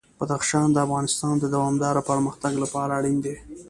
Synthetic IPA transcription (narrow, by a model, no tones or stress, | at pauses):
b̥ad̪axʃɑnd̪əafɣɑnɪst̪ɑnd̪əd̪awɑmd̪ɑɾopəɾməxt̪aɡlapɑɾaːɽind̪e